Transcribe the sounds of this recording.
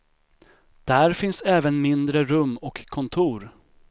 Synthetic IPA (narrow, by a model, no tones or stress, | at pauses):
d̪̥æɾfɪnsɛːvənmɪnd̪ɾəɾɵmːɔkʰːɔnt̪ʰuːɾ